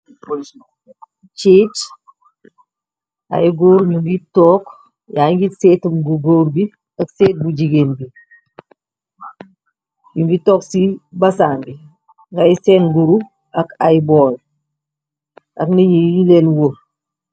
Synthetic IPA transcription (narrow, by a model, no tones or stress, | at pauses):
t͡ʃit͡ʃ | a̰jɡoːɾɲuŋɡitɔːk | jaːŋɡiseːtəmɡuɡoːɾbi | ɐkseːt̚bud͡ʒiɡeːnbi | ɲuŋɡitɔːksibɐsaːnbi | kajsɛnɡuɾu | ɐkajbɔːl | ʔɐknɐɲiilelwo